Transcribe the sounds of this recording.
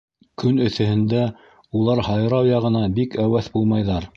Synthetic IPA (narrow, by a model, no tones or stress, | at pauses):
kʰɵnɵ̆θɘ̆hɘ̆nd̪æ | ulˠɑɾhɑjɾɑwjɑʁɤ̆nɑbikæwæθbulˠmɑjðɑɾ